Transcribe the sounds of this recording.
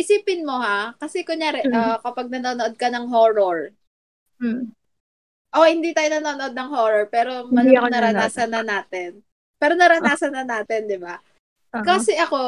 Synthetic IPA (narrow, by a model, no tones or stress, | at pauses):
ʔɪsiːpɪnmo̞hakɐsɛkʊŋjaːɾɛʔɐkɐpɐɡ̚nɐnoːnoʔod̪̚kɐnɐŋɦoːɾoɹ̩ | ʔo̞hɪnd̪iːt̪aːjonɐnoːnoʔonɐŋɦoːɾoɹpɛːɾo̞mɐnonɐɾɐaːsɐnɐnaːt̪ɛn | pɛːɾonɐɾɐnaːsɐnːɐnaːt̪ɛnd̪ɪba | kaːsɛʔɐko̞